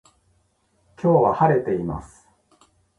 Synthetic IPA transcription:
kʲʰo̞ːβahaɾe̞t̪e̞ima̰sɨ̥

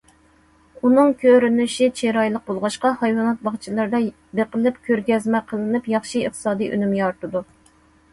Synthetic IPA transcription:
unɨŋkʲʰøɾynyʃit͡ʃʰeɾɑjlˠəq̚bolˠʁɑʃqɑhɑjwɑnɑt̪̚bɑχt͡ʃʰilˠɑɾd̪ɑ | beqəlˠɪpkʲʰøɾɡʲɛzmɛqʰəlˠɨnɨpjɑχʃiːχt̪ʰɨ̥sɑːd̪ijʔy̰nymɡʲɛɑɾt̪ɨd̪u

